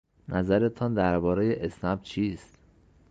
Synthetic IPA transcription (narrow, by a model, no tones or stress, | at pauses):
nʔæzæɾe̞t̪ʰɒːnd̪æɾbɒːɾejeʔesnæb̚t͡ʃʰiːst̪